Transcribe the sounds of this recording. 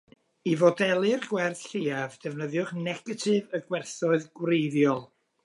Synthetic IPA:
ivɔdɛlˠɨrɡ̥wɛrθɬiːavd̥ɛvnəðjʊχnɛɡ̥ətʰɨvəɡwɛrθɔɨðɡwrejðjɔlˠ

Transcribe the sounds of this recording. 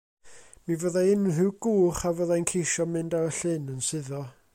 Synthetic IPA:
mivəðaɪnɦɨwɡuːχavəːðajnkʰejʃɔmɨndaəɬɨnənsɨðɔ

